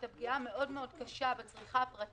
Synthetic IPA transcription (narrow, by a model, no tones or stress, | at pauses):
tabɡiame̞ʔo̞dmeo̞dkaʃabet͡sʁiχapʁat